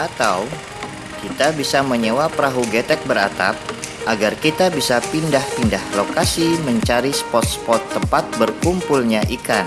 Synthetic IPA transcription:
ʔat̪aw | kit̪abisaməɲəwapɾaɦuɡet̪ɛk̚bəɾa̰t̪a̰p̚ʔaɡarkit̪abisapindahpindahlokasiməɲt͡ʃaɾispɔt̪̚spɔt̪ːəmpat̪̚bərkumpulɲaʔikan

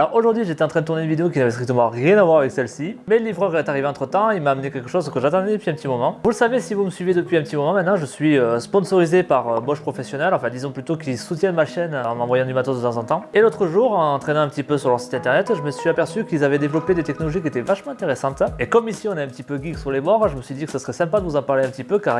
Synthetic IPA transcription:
lɔʁoʒuʁd̪ɥiʒet̪ɛɑ̃t̪χɛd̪ət̪uʁnenvid̪eokinavɛst̪χik̚t̪əmɑ̃ʁjɛ̃navwaʁavɛksɛlsimɛləlivʁœʁɛɛt̪aʁiveɑ̃t̪χət̪ɑ̃ilmaːmnekʲɛlkəʃozkəʒat̪ɑ̃d̪ɛd̪əpɥiɛ̃pət̪imɔmɑ̃vuləsavesivuməsɥivjed̪əpɥiɛ̃pət̪imɔmɑ̃mɛt̪nɑ̃ʒəsɥiøspɔ̃sɔʁizepaʁøbɔʃpχɔfɛsjɔnɛlɑ̃fɛ̃d̪izɔ̃plyt̪okʲilsut̪jɛnmaʃɛnɑ̃mɑ̃vwajɑ̃d̪ymat̪od̪ət̪ɑ̃zɑ̃t̪ɑ̃elot̪χəʒuʁɑ̃nɑ̃t̪χenɑ̃ɛ̃pət̪ipøsyʁlœʁsi̥t̪ɛ̃t̪ɛʁnɛt̪ʒəməsɥiapɛʁsykilzavɛd̪evlɔped̪et̪ɛknɔlɔʒikʲiet̪ɛvaʃmɑ̃ɛ̃t̪eʁesɑ̃t̪ekɔmisiɔ̃nɛɛ̃pət̪ipøɡʲiksyʁlebɔʁʒəməsɥid̪ikə̥səsə̥χɛsɛ̃pad̪əvuzɑ̃paʁleɛ̃pət̪ipøkaʁ

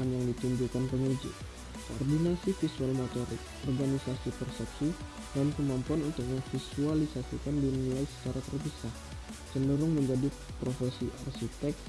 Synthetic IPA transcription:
anjaŋdit̪uɲd͡ʒukanpəŋud͡ʒi | ko̰ɔ̰rdinasifisualmot̪oɾɪ̰k̚ʔɔrɡanisasipərsɛpsi | dankəmampuanunt̪ʊk̚jaŋfisualisasḭkandinilaisə̥t͡ʃaɾat̪ərpisah | t͡ʃəndəɾʊŋməɲd͡ʒadi | pɾofɛsia̰rsit̪ɛk̚

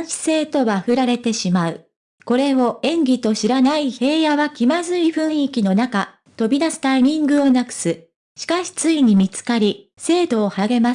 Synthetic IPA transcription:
ɰ̃ɕi̥se̞ːt̪o̞βaɸɯ̟ɾaɾe̞t̪e̞ɕimaɯ̟ | ko̞ɾe̞o̞ẽ̞ŋɡʲit̪o̞ɕiɾanaihe̞ːjaβakʲimazɨiɸɯ̟̃ɰ̃ikʲino̞naka | t̪o̞bʲid̪asɨ̥t̪aiɲĩŋɡɯ̟o̞nakɯ̟̥sɨ | ɕi̥kaɕi̥t͡sɨiɲ̟imʲit͡sɨ̥kaɾʲi | se̞ːd̪o̞ːhaɡe̞ma

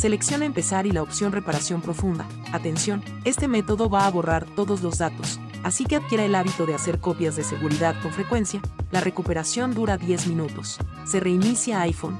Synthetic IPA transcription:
se̞le̞ksjo̞naempe̞saɾilaopsjo̞nre̞paɾasjo̞mpɾo̞fũnd̪a̰ | at̪e̞nsjo̞n | e̞st̪e̞me̞t̪o̞ðo̞βaːβo̞raɾt̪o̞ðo̞zlo̞zðat̪o̞s | asike̞aðkje̞ɾaelaβit̪o̞ðe̞ase̞ɾko̞pjazðe̞se̞ɣuɾiðaðko̞ɱfɾe̞kwe̞nsjalare̞kupe̞ɾasjo̞nd̪uɾaðje̞zmĩnut̪o̞sː | e̞re̞inisjaajfo̞̰n

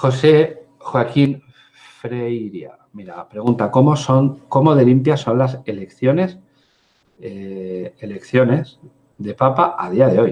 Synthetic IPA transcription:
xo̞se̞ | xwakin | fɾejɾja̰ | miɾapɾe̞ɣunt̪ako̞moso̞ŋko̞mo̞ðe̞limpjaso̞nlase̞lekθjo̞ne̞s | eːle̞kθjo̞ne̞s | ðe̞papaʔa̰ðiaðe̞o̞j

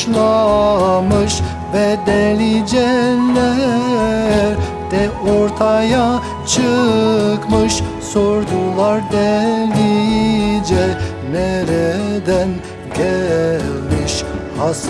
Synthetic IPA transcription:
lˠa | mɯʃ | vɛd̪ɛlʲid͡ʒɛlɛ | ɾ | d̪̥ɛoɾt̪ʰaja | t͡ʃʰɯkmɯʃ | soɾd̪ulˠaɾd̪ɛli | d͡ʒɛ | nɛɾɛd̪æn | ɟɛlʲmiʃhas

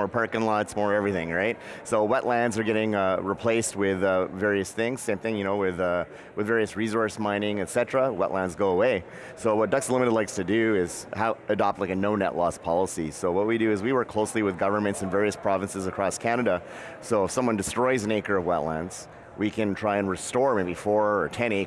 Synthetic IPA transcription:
mɔɹpʰɜ˞kɨ̃nlɑtsmɔɹɛvɹiθɪ̃ŋɹaɪt̚soʊwɛʔˡlæ̃ndzə˞ɡɛɾɪ̃ŋɹipʰl̥eɪst̚wɪðʌvɛɹiɨsθɪ̃ŋz̥sẽɪ̃mθɪ̃ŋjɨñoʊwɪðʌ | wɨðvɛɹiɨsɹizɔɹsmãɪ̃ñɪ̃ŋɨtsɛt͡ʃɹ̥əwɛ̰ʔlʔæ̃ndzɡoʊəweɪ | soʊwʌt̚d̥ʌkslɪ̃mɨɾɨdˡlaɪkstʰɨdʉɪz̥haʊɨdɑp̚t̚ˡlaɪkɨnoʊnɛ̰ʔlɔspʰɑlˠəsḭsoʊwʌt̚widɨɨzwiwɜ˞kʰl̥oʊsliwɨðɡʌvə˞mɨ̃ntsɨ̃n̩vɛɹiɨspʰɹ̥ɑvɨ̃nsɨzɨkʰɹ̥ɔskʰæñɨɾə | soʊəfsʌ̃mwʌ̃ndɨstɹ̥ɔɪzɨ̃neɪkə˞ʌvwɛ̰ʔˡlæ̃ndz̥ | wʔikʰɨ̃ntʰɹ̥aɪɨ̃nɹɨstɔɹmeɪbifɔɹə˞tʰɛ̃ñeɪ

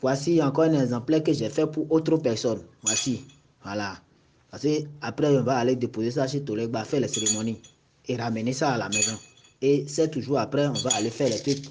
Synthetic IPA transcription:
vwasiãkɔɛnɛ̃ɛzãplɛkeʒɛfɛpuʔot̪ɾopɛɾsɔnvwasi | ala | paseapɾɛõvaaled̪epozes̬aʃ̬it̪oleɡ͡bafɛlɛseɾemonĩ | eɾamenẽsaalamɛ̃zã | esɛt̪uʒuapɾɛŋõvaalefɛlɛte

